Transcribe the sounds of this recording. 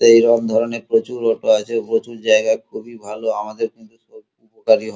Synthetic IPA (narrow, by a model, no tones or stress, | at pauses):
ejɾɔb̚d̪ʱɔɾonepɾot͡ɕuɾɔʈoat͡ɕʰeopɾot͡ɕuɾd͡ʑaeɡaekʰubibʱaloamad̪eɾkint̪u | upokaɾiɦɔ